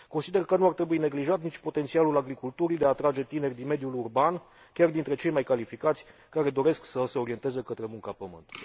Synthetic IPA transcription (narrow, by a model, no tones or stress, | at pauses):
ko̞nsid̪e̞rkənuart̪ɾe̞buine̞ɡliʒat̪nit͡ʃʲpo̞t̪et̪sialulaɡɾikult̪uɾid̪e̞at̪ɾad͡ʒe̞t̪ine̞rʲd̪inme̞d̪julurban | kʲard̪int̪ɾe̞t͡ʃe̞jmajkalifikat̪sʲ | kaɾe̞d̪o̞ɾe̞sksəse̞o̞ɾie̞nt̪e̞zekət̪ɾe̞muŋkapəmɨ̰nt̪